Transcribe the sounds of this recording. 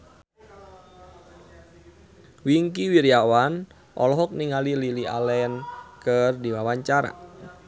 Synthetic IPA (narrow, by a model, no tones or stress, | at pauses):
wiŋkiwiɾiawan | ʔɔ̰lɔɦɔk̚niŋalililia̰lɛnkərdiwawaɲt͡ʃaɾa̰